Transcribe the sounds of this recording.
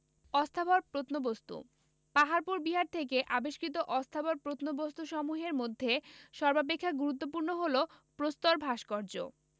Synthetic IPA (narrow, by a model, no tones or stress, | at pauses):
ɔst̪ʰaboɾpɾot̪nobost̪ṵ | paɦaɾpuɾbiɦaɾt̪ʰek̬eʔabeʃkɾit̪̬oʔɔst̪ʰaboɾpɾot̪nobost̪uʃɔmuɦeɾmod̪ʱːeʃɔɾbap̬ekʰːaɡuɾut̪̬ːop̬uɾnoɦolopɾost̪oɾbʱaʃkɔɾd͡ʑo̰